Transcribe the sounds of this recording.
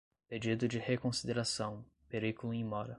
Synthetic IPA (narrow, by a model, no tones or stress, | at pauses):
ped͡ʒid̪ʊd͡ʒɪhekõsid̪eɾasɐ̃w̃ | peɾikulʊẽj̃mɔɾɐ